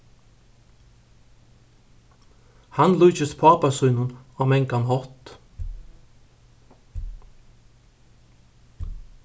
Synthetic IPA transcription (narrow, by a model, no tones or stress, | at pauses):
hanlujt͡ʃɪst̪pʰaːpasujnʊnɔɣmɛŋkanɦɔht̪